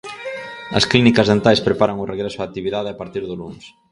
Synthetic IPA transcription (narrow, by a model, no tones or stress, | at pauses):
ɐ̰sklinikɐzðent̪ajspɾepaɾaŋʊrʔeɣɾesʊaːk̚t̪iβiðaðeapaɾt̪iɾðʊluŋs